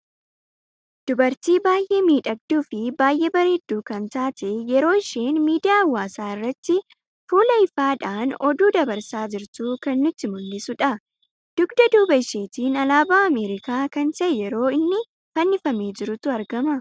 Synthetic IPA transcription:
d̪̥ʊbɐɾt̪iːbaːjʔe̞ːmiːᶑɐɡ̚d̪uːfɪbaːjʔeːbɐɾeːd̪ːuːkɐnt̪aːt̪ʰɛjɛɾo̞ːɪʃeːnmiːd̪ɪjaːwːaːsaːɪrːɐt̪ːɪ | fuːlɐɪfaːᶑaːnɔd̪uːd̪ɐbɐɾsaːd͡ʒɪɾt̪uːkɐnːʊt̪ːɪmʊlːɪsʊᶑɐ | d̪̥ʊɡd̪ɐd̪uːbɐɪʃeːt̪iːnɐlaːbaːɐmeːɾɪkaːkɐnt̪ɐjɛɾo̞ːɪnːɪ | fɐnːɪfɐmeːd͡ʒɪɾʊt̪ʊɐɾɡɐmɐ

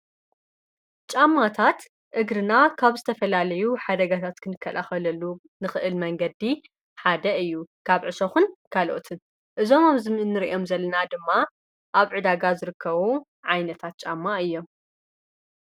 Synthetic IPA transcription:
t͡ʃʼamːat̪ʰat̪ | ʔɨɡɾɨnakʰaβzɨt̪ʰɐfɐlalɐjuħad̪ɐɡat̪ʰat̪kʰɨnɨkʰːɐlʔaxɐlɐlːu | nɨxɨʔɨlmɐŋɡɐd̪i | ħad̪ɐɨjːukʰaβʕɨsoxunkʰalʔot̪ʰɨn | ʔɨzo̞mamzɨmɨnːɨɾiʔo̞mzɐlːɐnad̪ɨmːa | ʔaβʕɨd̪aɡazɨɾɨkʰːɐβu | ʕajnɐt̪ʰat̪̚t͡ʃʼamːaɨjːo̞

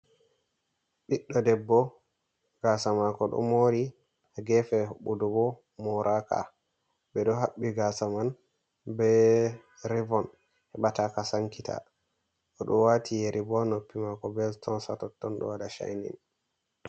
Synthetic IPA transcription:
ɓiɗːɔdɛbːɔ | ɡ̥asamakɔɗɔ̰moɾi | ɡɛfɛɓudubɔ | mɔɾʔaka̰ | bɛɗɔɦaɓːiɡasaman | bɛ | ɾivɔn | hɛɓatakasaŋkita̰ | ɔɗɔwatʰijeɾʔibɔnopːimakɔbɛtʰɔnsatɔtːɔnɗɔ̰wadaʃa̰jnḭn

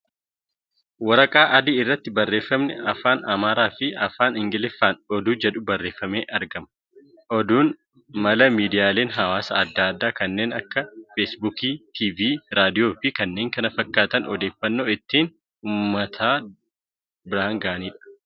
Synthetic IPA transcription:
wɐɾɐkʼaːʔɐd̪ɪɪrːɐt̪ːɪbɐrːe̞ːfːɐmnɛɐfaːnɐmaːɾaːfɪɐfaːnɪŋɡɪlɪfːaːnɔd̪uːd͡ʒɛᶑʊbɐrːe̞ːfːɐmeːʔɐɾɡɐmɐ | ʔɔd̪uːn | mɐlɐmiːd̪ɪjaːle̞ːnɦɐwaːsɐɐd̪ːaːd̪ːaːkɐnːe̞ːnɐkːɐfeːsbuːkiːt̪ʰiːviːɾaːd̪ɪjo̞ːfɪkɐnːe̞ːŋkɐnɐfɐkːaːt̪ɐnɔd̪e̞ːfːɐnːoːɪt̪ːiːn | uːmːɐt̪ʰaː | bɪɾaːŋɡaːɐniːᶑɐ̥

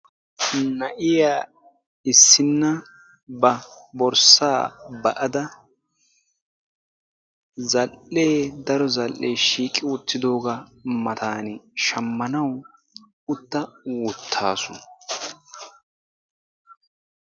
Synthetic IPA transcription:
nɐʔɪjaː | ɪsːɪnːɐ | bɐbɔɾsaːbɐʔɐd̪ɐ | zɐlːeːd̪ɐɾɔzɐlːejʃiːkʼːɪwʊt̪ːɪd̪o̞ːɡɐmɐt̪ʰaːnɪʃɐmːɐnɐw | ʊt̪ːɐwʊt̪ʰːaːsʊnɐ

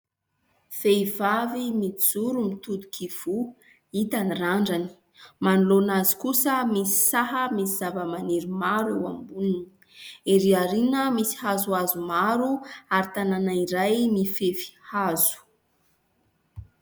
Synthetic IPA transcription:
feivavimid͡zuɾumit̪ud̪u̥kʰiv̥u | it̪aniraɳɖ͡ʐani̥ | manulonazi̥kusəmisi̥saɦəmisizavəmaniɾumaɾuambunini̥ | eɾiaɾinəmisi̥hazuazumaɾuaɾit̪ananaiɾajmifefi̥hazu̥

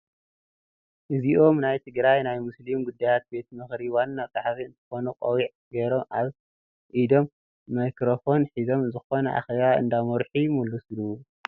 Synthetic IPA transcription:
ʔɨziʔo̞mnajt̪ʰɨɡɾajnajmɨslimɡud̪ːajat̪̚be̞t̪mɨxɾiwanːat͡sʼaħfiɨnt̪ʰɐ̥xo̞nuqʼɐwiʕ | ɡɐɾo̞maβ | ʔid̪o̞mː | ajkɾofo̞nħizo̞mzɨxo̞nɐʔa̰xeβaɨ̰nd̪amoɾħujɪmulːuslu

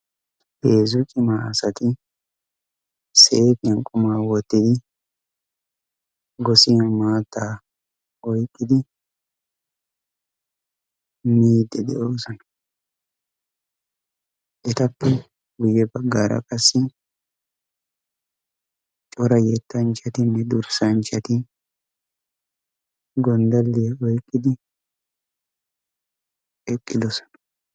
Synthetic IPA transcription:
beːzukʼɪmaːsɐt̪ɪ | set̪ɪɐŋkʼʊmaːwɔt̪ːɪd̪ɪ | ɡɔsiːnmaːt̪ːaː | ɔjkʼːɪd̪ɪ | miːd̪ːɛd̪ɛʔoːsɐnɐ | ʔɛt̪ɐpːɛ | ɡʊjɛbɐɡːaːɾʔɐ̰kʼɐsːɪ | t͡ʃʼɔɾɐjɛt̪ːɐnt͡ʃɐt̪ɪnːɛd̪ʊɾsɐnt͡ʃɐt̪ɪ | ɡɔnd̪ɐlːɪjɛɔjkʼːɪd̪ɪ | ɛkʼːɪd̪ɔsɔ̥nɐ̥

